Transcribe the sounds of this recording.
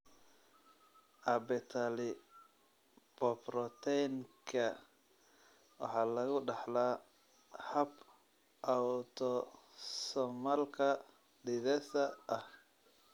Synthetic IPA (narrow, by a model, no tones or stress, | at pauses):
ʔɐbɛt̪ʰalɪ | b̥ɔprɔt̪ʰɛjŋkʰɐ | wɑ̰ħɑːlɐɣʊɖɑħlaː | hɐb | ʔawt̪ʰɔsɔmɐlkʰɐ | dɪðɛsɐɐh